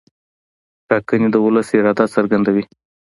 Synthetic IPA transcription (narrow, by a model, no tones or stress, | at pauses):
ʈɑkənid̪əʊləsɪɾɑd̪asəɾɡand̪awi